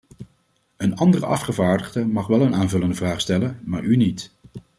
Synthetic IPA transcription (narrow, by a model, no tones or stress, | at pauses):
ənɑndərəɑ̰fχəvaːɹdəχdəmɑχʋɛlˠənaːnvɵləndəvraːχstɛlənmaːɹynit